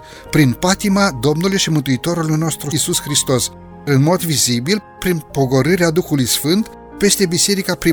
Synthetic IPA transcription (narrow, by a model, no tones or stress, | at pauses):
pɾinpat̪imad̪o̞mnulujʃimɨnt̪uit̪o̞ɾulujno̞st̪ɾususxɾist̪o̞s | ɨnmo̞d̪vizibilpɾinpo̞ɡo̞ɾɨɾead̪uxulujsfɨnt̪ | pe̞st̪e̞bise̞ɾikapɾi